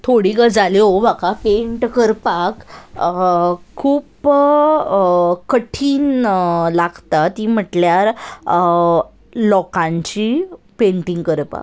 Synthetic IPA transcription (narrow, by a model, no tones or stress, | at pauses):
t̪ʰoɽiːɡəd͡zaliobakapeɳʈkəɾpak | kʰːuːp | kəʈʰiːnlaɡt̪at̪im̤əʈljaɾ | lɔkãɲt͡ɕipeɳʈiŋɡkəɾpa̰k